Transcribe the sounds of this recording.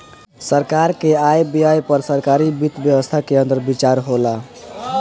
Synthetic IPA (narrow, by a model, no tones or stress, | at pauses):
səɾkaɾkeajbijajpəɾsəɾkaɾibit̪bjəwəst̪ʰakeənt̪əɾbit͡ʃaɾɦola